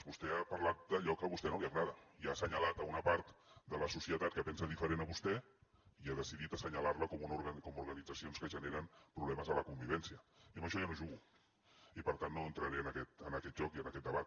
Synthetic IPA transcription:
zβust̪ɛapaɾlat̪̚d̪əʎɔkəβust̪ɛnoliaɣɾaðəiasəɲalat̪aunapaɾt̪d̪ələsusiət̪at̪̚kəpɛnsaðifəɾenəβust̪ɛ | iaðəsiðit̪asəɲalaɾləkomunuɾɣakomuɾɣanid͡zasionskəʒəneɾəmpɾuβlɛməzələkumbiβɛnsiəiəmbəʃɔjanoʒuɣu | ipəɾt̪anːoənt̪ɾaɾeənakɛt̪ənakɛt̪̚ʒɔkiənakɛt̪̚d̪əβat̪

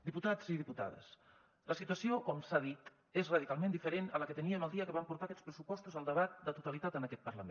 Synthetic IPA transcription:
d̪iput̪aziðiput̪a̰ðə̰s | ləsit̪uəsiokɔmsaðit̪ | ezrað̞ikalˠmẽnd̪ifəɾenələkət̪əniəməlˠd̪iəkəβampuɾt̪akɛt͡spɾəsupɔst̪uzəlˠd̪əβat̪̚d̪ət̪ut̪alit̪at̪ənəkɛt̪̚pəɾləmḛ̃n

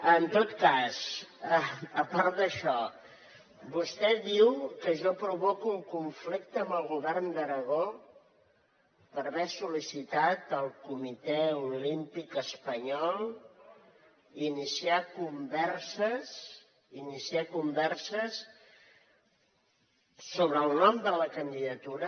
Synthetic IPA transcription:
ənt̪ot̪kasəəpaɾt̪d̪əʃɔ | bust̪ɛðiwkəʒɔpɾuβɔkulkuɱflik̚t̪əːmbəlˠɣuβɛrnd̪əɾəɣ̞o | pəɾβɛsulisit̪at̪əlˠkumit̪ɛulimpikəspəɲɔlˠ | inisiakumbɛrsəs | inisiakumbɛrsəs | oβɾəːlˠnɔmd̪ələkənd̪iðət̪uɾə

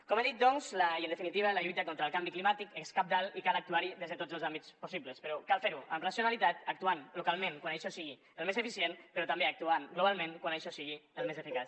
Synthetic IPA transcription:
komeðit̪̚d̪ɔnzləiənd̪əfinit̪iβ̞əlaʎujt̪əkont̪ɾaəlˠkambiklimat̪ikeskap̚d̪alikalək̚t̪uaɾiðezðət̪od͡zəlˠzambit͡sposiβləspəɾɔkalˠfeɾuə̰mrasiunalit̪at̪ək̚t̪uanlukalˠmẽnkwanejʃɔsiɣi | əlmezəfisienpəɾɔt̪ambeak̚t̪uanɡloβalˠmẽŋkwanejʃɔsiɣiəlˠmezefikas

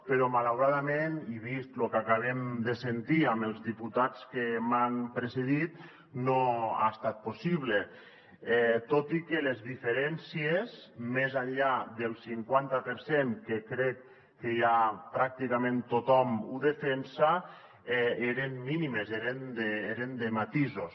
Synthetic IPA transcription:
peɾɔmalawɾaðameniβist̪lukakaβ̞emd̪esent̪iaməlˠzðiput̪at͡skemanpɾeseðit̪ | noa̰st̪at̪̚posiβle | ɛt̪ot̪ikelezðifeɾɛnsiezmezaʎad̪elˠsiŋkwant̪apeɾseŋkekɾɛkː | ejapɾak̚t̪ikamẽnt̪ot̪ɔmuðefensa | ɛeɾenminimezeɾend̪eeɾend̪emat̪izos

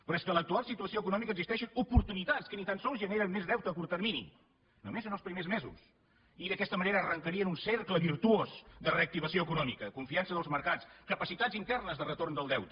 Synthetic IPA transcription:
pɾɔɛskələk̚t̪ualˠsit̪uəsioəkunɔmikəɡzist̪ɛʃənupuɾt̪unit̪at͡skənit̪ansɔlˠzʒəneɾənmezðɛwt̪əːpuɾt̪ərminḭ | nomezənəlˠspɾimezmezṵs | iðəkɛst̪əməneɾəːrəŋkəɾiənunserkləβ̞iɾt̪uozd̪əreək̚t̪iβ̞əsioəkunɔmḭkəkuɱfiansəðəlˠzməɾkat͡skəpəsit̪ad͡zint̪ɛrnəzðərət̪ornd̪əlˠd̪ɛwt̪ə

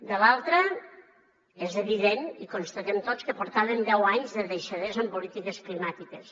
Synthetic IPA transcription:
d̪əlalˠt̪ɾə | ezeβiðenikonst̪ət̪ɛmt̪ot͡skəpoɾt̪aβend̪ɛwaɲzðəðejʃəðezəmpolit̪ikesklimat̪ikes

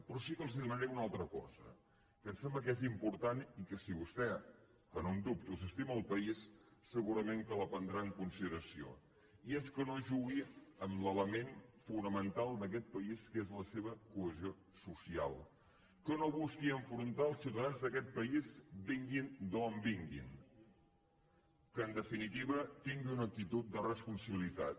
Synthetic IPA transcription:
pɾɔsikəlˠziðmənəɾɛunalˠt̪ɾəkɔ̰zə̰ | kənsɛmbləkɛzimpuɾt̪anikəsiβust̪ɛ | kənond̪up̚t̪usəst̪iməːlˠpəissəɣuɾəmeŋkələpənd̪ɾaəŋkunsiðəɾəsio̰ | iɛskənoʒuɣiəmlələmenfunəmənt̪alˠd̪əkɛt̪̚pəiskezləseβ̞əkuəzio | susia̰lˠ | kənoβuskiəɱfɾunt̪aəlˠsiuwt̪əðanzðəkɛt̪̚pəizbiŋɡind̪ombiŋɡḭn | kəːnd̪əfinit̪iβət̪iŋɡiunək̚t̪it̪ut̪̚d̪ərəspunsəβilit̪a̰t̪

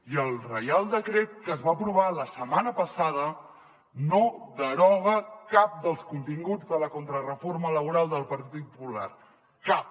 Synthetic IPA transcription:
iəlˠrəjalˠd̪əkɾet̪̚kəːzβaəpɾuβ̞aləsəmanəpəsaðə | noðəɾɔɣəkap̚d̪əlˠskunt̪iŋɡud͡zðələkont̪ɾərəformələβuɾalˠd̪əlˠpəɾt̪it̪it̪̚pupula̰r | kap̚

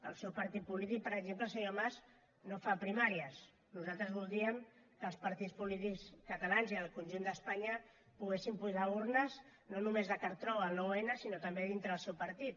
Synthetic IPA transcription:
ə̰lˠsɛwpəɾt̪it̪̚pulit̪ik̚pəɾəɡzempləsaɲomaz | nofapɾimaɾiəs | nuzalˠt̪ɾəzβulˠd̪iəm | kəːlˠspəɾt̪it͡spulit̪ikskət̪alanziəlˠkunʲʒund̪əspaɲə | puɣ̞esimpuʒauɾnəz | nonumezðəkəɾt̪ɾɔəloenəsinot̪əmbeðint̪ɾəðəlˠsɛwpəɾt̪it̪̚

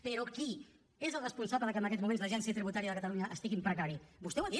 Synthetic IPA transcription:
peɾoki | ezəlˠrəspunsaβləðəkənəkɛtzmumenzləʒɛnsjət̪ɾiβut̪aɾiəðəkət̪əluɲəʔəst̪iɣimpɾəkaɾibust̪eɛwɐði

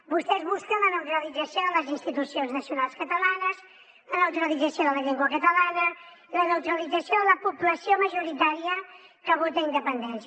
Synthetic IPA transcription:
bust̪ɛzβuskənlənəwt̪ɾəlid͡zəsijoðələzinst̪it̪usionznəsjunalˠskət̪əlanəs | lənəwt̪ɾəlid͡zəsjoðələʎeŋɡwəkət̪əlanə | lənəwt̪ɾəlidd͡zəsjoðələpupləsioməʒuɾit̪aɾiəkəβot̪əind̪əpənd̪ɛns

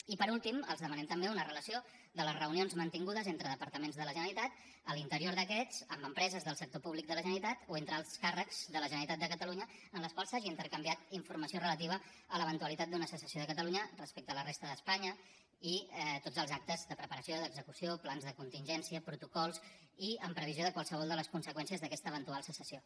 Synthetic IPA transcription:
ipəɾulˠt̪imə̰lzðəmənɛmt̪əmbeunərələsio | d̪ələrəunionzmənt̪iŋɡuðəzent̪ɾəðəpəɾt̪əmenzðələʒənəɾit̪at̪ | əlint̪əɾioɾðəkɛt͡səmbəmpɾɛzəzðəlˠsək̚t̪opuβlik̚d̪ələʒənɾit̪at̪oent̪ɾəalˠɾ̥skarəkz̥ðələʒənəɾit̪at̪d̪əkət̪əluɲəənləskwalˠsaʒiːnt̪əɾkəmbiat̪iɱfuɾməsiorələt̪̬iβ̞ə | ələβənt̪uəlit̪at̪̚d̪unəsəsəsioðəkət̪əluɲərəspekt̪əːlərest̪əðəspaɲə | it̪od͡zəlˠzak̚t̪əzðəpɾəpəɾəsijoðəɡzəkusioplanzðəkunt̪inʒɛnsiəpɾut̪ukɔlˠs | iəmpɾəβ̞izioðəkwalˠsəβɔlˠd̪ələskunsəkwɛnsiəzðəkɛst̪əβənt̪ualˠsəsəsio

